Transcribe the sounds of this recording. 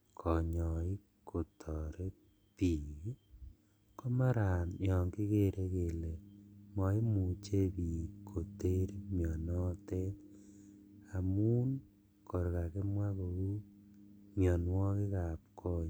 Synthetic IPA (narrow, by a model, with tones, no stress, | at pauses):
kʰɔ˨ɲɔ˨i˦ | kʰo˨tʰɔ˨ɾe˦ | pi˨ | ko˦ma˦ɾa˨njɔ˨ŋki˦ke˦˨ɾʔe˦ke˨le˨mɔ˨i˦mu˨t͡ʃe˦pi˨kʰo˨te˦ɾi˦mjɔ˨nɔ˦te˦t | a˨mu˦n | kɔ˨ɾka˨ke˦mwa˦ko˨ku˦ | mjɔ˨nwɔ˦ki˦ka˨p̚kʰɔ˦